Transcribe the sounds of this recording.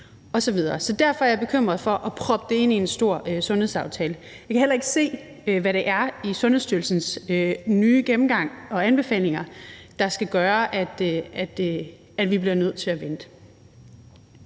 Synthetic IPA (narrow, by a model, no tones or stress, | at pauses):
ɒ̽sɒ̽ʋið̞ˠɐːsɒ̽d̥æɐfɒ̽æɐjb̥e̝kʰøm̰ʁɐð̞̩ˠfɒ̽ʔɒ̽pʰʁɒ̽b̥əd̥e̝e̝n̰iensd̥o̝ɐ̰øsɔ̽nhe̝ðˠsɑ̈ʊt͡sʰɛːlə | jɑ̈kʰæɦelɐe̝ɡ̥se̝̰ː | ʋæɾe̝ʔæɐisɔ̽nhesd̥yɐlsn̩sønyːɡ̥em̩ɡ̥ɑ̈ŋ̰ɒ̽ænb̥e̝fɛ̰ːle̝ŋɐd̥ɑ̈sɡ̥æɡ̥ɶːɐʔæd̥æd̥ | æd̥ʋib̥liɐnøð̞̰ˠt͡sʰe̝læʋen̰d̥ə